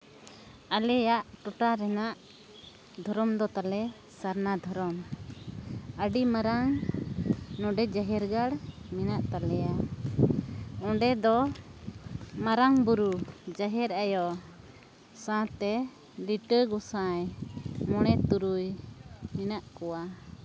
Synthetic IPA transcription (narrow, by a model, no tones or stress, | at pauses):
alɛjaʔʈɔʈaɾɛnaʔ | d̪ʱɔɾɔmd̪ɔt̪alɛ | saɾnad̪ʱɔɾɔm | əɖimaɾaŋ | nɔɖɛd͡ʒaɦɛɾɡaɽminaʔt̪alɛja | ɔ̃ɖɛd̪ɔ | maɾaŋbuɾud͡ʒaɦɛɾajɔ | sãt̪ɛ | liʈəɡɔsãjmɔɽ̃ɛt̪uɾujminaʔkɔwa